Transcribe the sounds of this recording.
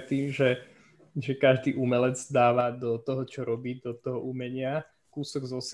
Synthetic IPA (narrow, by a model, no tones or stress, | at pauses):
t̪iːmʒɛ | ʒɛkaʒd̪iːʔumɛlɛd͡zd̪aːʋad̪ɔt̪ɔɦɔt͡ʃɔɾɔbiːd̪ɔt̪ɔɦɔʔumɛɲɪa | kuːsɔɡzɔs